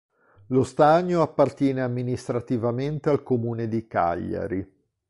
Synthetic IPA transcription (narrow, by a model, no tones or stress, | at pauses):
lost̪aɲːoapːart̪jɛːneamːinist̪ɾat̪ivament̪ealkomuːned̪ika̰ʎːa̰ɾi